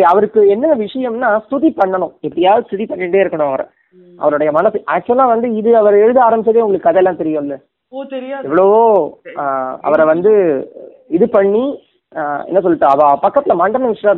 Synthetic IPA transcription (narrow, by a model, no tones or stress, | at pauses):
ɐʋɐɾɯkːɯɛnːɐʋɪʂɐjɐmnaːst̪ʊðipɐɳːɐɳʊ̃ɛpːɐɽɪjaːlst̪ʊðipɐɳːiɳɖeːɪɾɯkːɐɳʊ̃ɐʋɐɾɐ̰ | ʔɐ̰ʋɐɾɯɽɐjɐmɐnɐsːɯʔaːk̚t͡ʃːɯɐlːãːʋɐnd̪ɯɪðɯɐʋɐɾɛɻɯðɯaːɾɐmbɪt͡ʃːɐðeːʊŋɡɐɭɯkːɯɐðɛɛlːãːt̪ɛɾɪjʊ̃ɪlːɐ | t̪ɛɾɪjɛʋːɐɭooː | ɐ̰ʋɐɾɐʋɐnd̪ɯ | ɪðɯpɐɳːi | ɛ̰nːɐs̬ɔlːɪʈːãɐʋapɐkːɐt̪ːɪlɐmaːɳɖɾɐnɐʋɪʂɐjɐ̃